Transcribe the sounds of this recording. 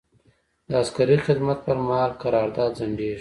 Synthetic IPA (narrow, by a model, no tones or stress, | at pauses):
d̪əaskaɾixɪd̪mat̪̚pəɾmahɑlkaɾɑːɾd̪ɑːd̪zaɳɖeʃ